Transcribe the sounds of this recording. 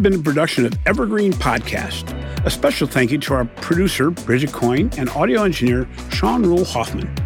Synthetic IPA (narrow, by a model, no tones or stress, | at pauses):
bɨ̃nðəpʰɹ̥ɨdʌkʃɨ̃nʌvɛvə˞ɡɹĩnpʰɑ̰d̚kʰæ̰st | əspɛʃl̩ˠθæ̃ŋkjɨɾəaʊə˞pʰɹ̥ɨdʉsə˞bɹɪd͡ʒɨkʰɔ̃ɪ̃nɨ̃nɔɾioʊɛ̃nd͡ʒɨnɪɹ | ʃɑ̃nɹulˠhɑθmɨ̰̃n